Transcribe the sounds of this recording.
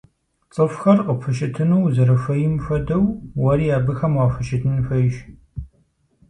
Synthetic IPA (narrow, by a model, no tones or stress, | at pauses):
t͡sʼɨfxɐrqəpʰɨʃɪtʰɨnuwzɐɾɐfɐjɪmfʷɐdɐwwɐɾiːjaːbɨxɐmwaːfɨʃɪtʰɨnfɐjʃ